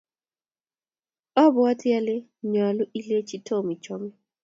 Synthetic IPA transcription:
ɔ˦bɔ˨˦a˦tɪ˦a˦lɪ˦ | ɲa˨lʊ˦ʔi˦le˦t͡ʃi˦tʰo˦˨mi˨t͡ʃɔ˦mɛ˦

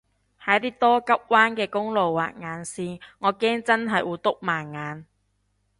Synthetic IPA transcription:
hɐ˨˥jt̪iː˥t̪ɔː˥kɐ˥p̚waː˥nkɛː˧kʊ˥ŋlo˨˩wːa̰ː˨˩t̚ŋaː˨˧nsiː˧ŋɔː˨˧kɛː˥ŋt͡sɐ˥nɦɐ˨jwʔuː˨˧t̪ʊ˥k̚maː˨˩nŋaː˨˧n

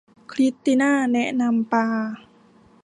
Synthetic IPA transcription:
kʰli˦˥t̪ːi˧naː˥˩nɛ˦˥ʔna˧mpaː˧

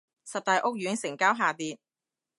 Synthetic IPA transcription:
sɐ˨p̚t̪aː˨˧jʔʊ˥k̚jɥyː˨˥nsɪ˨˩ŋkaː˥wɦaː˨˩t̪iː˨˧t̚

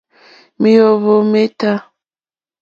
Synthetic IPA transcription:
mi˦jo˨βo˨me˦ta˦

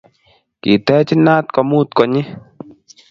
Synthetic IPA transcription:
ki˨t̪ɛː˦t͡ʃi˦na˦t̪̚kɔ˧muː˦t̪kɔ˧ɲi˦

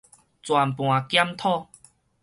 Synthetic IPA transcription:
t͡swa˨npw̃ã˨˩kja˦mt̪ʰɔ˥˧

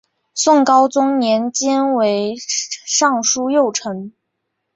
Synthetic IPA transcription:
swɤ˥˩ŋkɑ˥ʊt͡sʊ˥ŋnjɛ˧˥nt͡ɕjɛ˥nwe˧˥ɪʂɑ˥˩ŋʂu˥jo˥˩ʊʈ͡ʂʰɤ˧˥ŋ

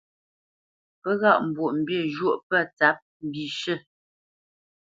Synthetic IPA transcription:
pə˦ɣa˦˨m̩˨bwo˨ʔm̩˨bjə˦˨ʒwo˦˨ʔpə˦˨t͡sa˨˦p̚m̩˨bi˨ʃə˦˨

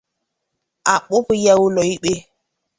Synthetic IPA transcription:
a˨ɓʊ˦pi˨˦ja˦wu˦lɔ˨i˦ɓe˦

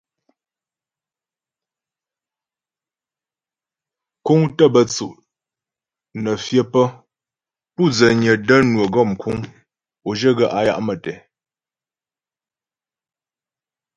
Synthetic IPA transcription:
ku˦ŋtə˦˨bə˨t͡su˨ʔ | nə˨fjə˦pə˦ | pu˦˨d͡zə˨ɲə˨də˦nwə˨ɡɔ˦˨mkʰu˦ŋ | o˨ʒə˦ɡə˨ʔa˨˦ja̰˦˨ʔmə˨tɛ˨

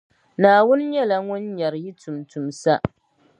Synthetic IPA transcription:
naː˨wʊ˦n˦jɛ˦la˨ŋʊ˦n˦ɲa˨ɾji˦tʊ˨mtʊ˨msa˦ʔ

